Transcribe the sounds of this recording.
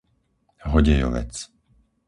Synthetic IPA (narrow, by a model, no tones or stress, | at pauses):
ɦɔɟɛjɔ̰ʋɛ̰t͡s